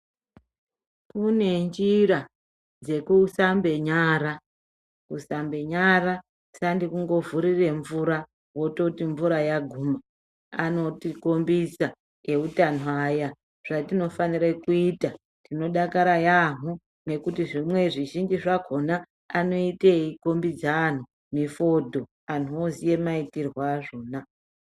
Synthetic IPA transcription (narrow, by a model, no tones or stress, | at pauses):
kune̞nd͡ʒiɾa | d͡ze̞kusambe̞ɲaːɾa | kusambe̞ɲaɾa | sandikuŋɡo̞vuɾire̞ɱvuɾa | wo̞to̞tiɱvuɾajaɡʱuma | ano̞tiko̞mbisa | e̞utan̤uaːja | ʐ̥atino̞faniɾekuiːta | tino̞ɗakaɾajaɦu | ne̞kutiʐimwe̞ʐiʒind͡ʒiʐaɡʱo̞naː | no̞iteiko̞mbid͡zaːn̤u | mifo̞dʱo̞ | anuozije̞maitirwaːʐoːna